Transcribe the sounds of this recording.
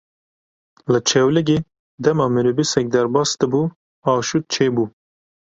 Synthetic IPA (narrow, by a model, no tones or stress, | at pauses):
lət͡ʃʰɛwlɪɡʲeː | d̪ɛmɑːmɨɾubisɛk̚d̪ɛɾbɑːsd̪ɨbuː | ɑːʃut̪̚t͡ʃʰeːbuː